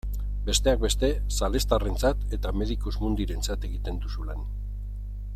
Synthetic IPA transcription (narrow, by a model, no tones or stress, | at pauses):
be̞st̪e̞ak̚be̞st̪e̞sale̞st̪are̞nt͡sat̪e̞t̪ame̞ðikuzmund̪iɾe̞nt͡sat̪e̞ɣit̪e̞nd̪usulan